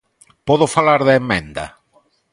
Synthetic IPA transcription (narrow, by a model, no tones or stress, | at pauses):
pɔðofalaɾðeemːẽnd̪ɐ̰